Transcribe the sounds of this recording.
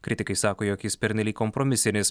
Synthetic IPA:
kʲɾʲɪt̪ʲɪkɐɪsɑːkoːjoːkjɪspʲɛɾʲnʲɛlʲiːkːɔmpɾɔmʲɪsʲɪnʲɪs

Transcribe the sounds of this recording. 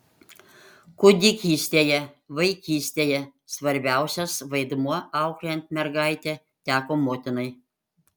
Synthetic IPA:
kʊd̪ʲɪkʲiːsʲt̪ʲeːjɛʋɐɪkʲiːsʲt̪ʲeːjɛsʋɐɾʲbʲæˑʊsʲɛsʋɐɪd̪muɔɑˑʊklʲɛnʲt̪̚ʲmʲɛɾɡɑˑɪt̪ʲe | t̪ʲæːkoːmoːt̪ʲɪnɐɪ

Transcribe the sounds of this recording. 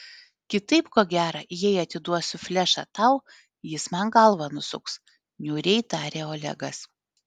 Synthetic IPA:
kʲɪt̪ɐɪpkoːɡʲæːɾɐjɛɪɐt̪ʲɪd̪uɔsʊfʲlʲɛʃɐ̰t̪ɐʊ | jɪsmɐnɡɐlˠʋɐnʊsʊks | nʲuːɾʲɛɪt̪ɑːɾʲeːoːlʲɛ̰ɡɐs

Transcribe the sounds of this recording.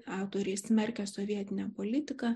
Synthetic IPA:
ɑˑʊt̪oːɾʲɛɪsʲmʲɛɾʲkʲɛsoːʋʲiɛt̪ʲɪnʲɛpoːlʲɪt̪ʲɪkɑ

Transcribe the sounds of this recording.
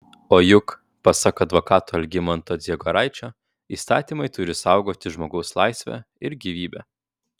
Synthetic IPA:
oːjʊk | pɐsɑkɐd̪ʋokɑːt̪oːɐlʲɡʲɪmɐnt̪oːd̪zʲiɛɡoɔɾɑɪt͡ʃʲoː | iːst̪ɑ̰ːt̪ʲimɐɪt̪ʊɾʲɪsɑʊɡoːt̪ʲɪʒmoːɡɒʊslˠɑɪsʲʋʲæ̰ | ɪɾɡʲiʋʲiːbʲɛ̰ː

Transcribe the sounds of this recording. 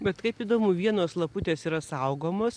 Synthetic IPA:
bʲɛt̪kɐɪpiːd̪oːmʊʋʲiɛnoːslˠɐpʊt̪ʲeːsiːɾɐsɐʊɡoːmoːs

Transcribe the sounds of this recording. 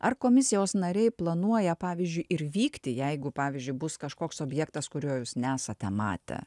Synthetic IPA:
ɐrkoːmʲɪsʲɪjoːsnɐɾʲɛɪplˠɐnuɔjɛpɑːʋʲɪzʲd͡ʒʲʊɪʔɪɾʋʲiːkt̪ʲɪjɛɪɡʊpɑːʋʲizʲd͡ʒʲʊɪbʊskɐʃkoːksoːbʲjɛkt̪ɐskʊɾʲuːjuːsnʲæːsɐt̪ʲɛmɑ̰ːt̪ʲɛ̰

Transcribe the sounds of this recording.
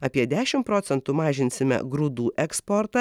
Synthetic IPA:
ɐːpʲiɛd̪ʲæːʃʲɪmtpɾoːt̪sʲɛnt̪ʊmɑːʒʲɪnʲsʲɪmʲɛ̰ɡɾʊd̪uːʔɛkspoːɾt̪ɐ

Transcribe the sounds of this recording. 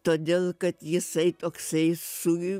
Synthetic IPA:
t̪oːd̪ʲeːlˠkɐt̪jɪsɐɪt̪oːksɐɪsʊ

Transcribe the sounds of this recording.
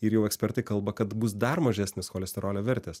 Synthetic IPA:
ɪɾjɛʊɛksʲpʲɛɾt̪ɐɪkɐlˠbɐkɐt̪bʊs̬d̪ɐɾmɐʒʲæːsʲnʲɪsxoːlʲɛsʲt̪ʲɛɾoːlʲoːʋʲɛɾʲt̪ʲeːs

